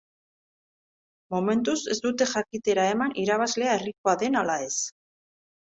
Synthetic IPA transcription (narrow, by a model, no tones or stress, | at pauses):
mome̞nt̪use̞zd̪ut̪e̞ʝakit̪e̞ɾae̞manʔiɾaβ̞azle̞ae̞rikoaðe̞nalae̞s